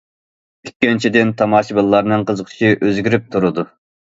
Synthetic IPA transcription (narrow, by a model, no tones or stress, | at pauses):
ykʲːint͡ʃʰid̪ɪnt̪ʰɑmɑːʃibɨlˠːɑɾnɨŋqʰəzəqʰə̥ʃiʔøzɡʲiɾyp̚t̪ʰuɾɨd̪u